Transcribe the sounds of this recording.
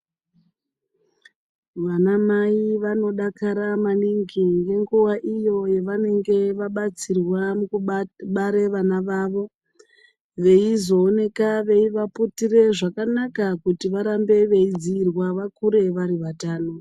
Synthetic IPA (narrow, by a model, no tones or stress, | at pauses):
ʋanamaiʋano̞ɗakaɾamaniŋɡiŋɡe̞ŋɡuwaʔijo̞je̞ʋane̞ŋɡe̞ʋaɓat͡sirwamukuɓaɾe̞ʋanaʋaːʋo̞ | ʋe̞izo̞ːne̞kaʋe̞iʋaputire̞ʐakanakakutiʋaɾambe̞ʋe̞id͡ziːrwaʋakuɾe̞ʋaɾiʋataːno